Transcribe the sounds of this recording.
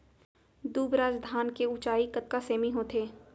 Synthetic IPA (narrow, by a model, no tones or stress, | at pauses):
d̪uːbɾaːd͡ʒd̪ʱaːnkeʊt͡ʃaːikɐt̪̚kaseːmiɦoːt̪ʰeː